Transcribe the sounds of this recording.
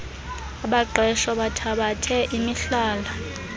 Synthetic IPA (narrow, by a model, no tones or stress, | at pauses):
aɓaǃʱɛʃɔɓatʰaɓatʰɛʔimiɬaːla